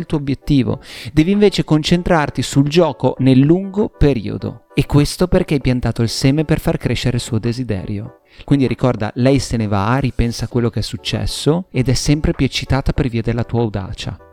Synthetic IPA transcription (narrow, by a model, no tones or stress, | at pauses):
lt̪uːoobjet̪ːiːvo̰d̪ɛːviɱveːt͡ʃekont͡ʃent̪ɾart̪isuld͡ʒɔːkonelːuŋɡopeɾḭːo̰d̪o̰ekːwest̪operkeajpjant̪aːt̪oilsɛːmeperfarkɾeʃːeɾeilsuːod̪ezid̪ɛ̰ːɾjo | kwind̪iɾikɔrd̪a̰lɛjseneva̰ɾipɛnsakwelːokeɛsːut͡ʃːɛ̰sːoed̪ɛsːɛmpɾepjuet͡ʃːit̪aːt̪aperviːad̪elːat̪uːawd̪a̰ːt͡ʃa̰